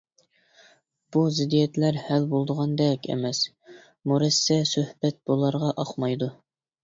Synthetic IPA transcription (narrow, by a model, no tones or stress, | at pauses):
b̥uzɪd̪ijɛt̪læɾhælbolˠd̪əʁɑnd̪ɛkʲʰɛ̰mɛs | muɾɛsːɛsøhbɛt̪̚b̥olˠɑɾʁɑʔɑqmɑjd̪u